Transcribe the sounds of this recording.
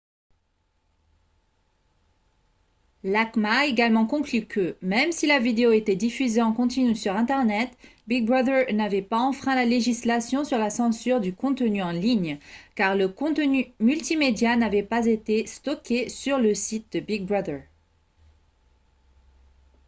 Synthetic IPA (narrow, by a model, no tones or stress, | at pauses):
lakmaeɡalmɑ̃kɔ̃klykʰəmɛmsilavid̪eoet̪ɛd̪ifyzeɑ̃kɔ̃t̪inysyʁɛ̃t̪ɛʁnɛt̪biɡ̚bʁaðəʁnavɛpaɑ̃fχɛ̃laleʒislasjɔ̃syʁlasɑ̃syʁd̪ykɔ̃t̪ənyɑ̃liɲkaʁləkɔ̃t̪ənymylt̪imed̪janavɛpazet̪est̪ɔkʲʰesyʁləsit̪̚d̪əbiɡ̚bʁad̪əʁ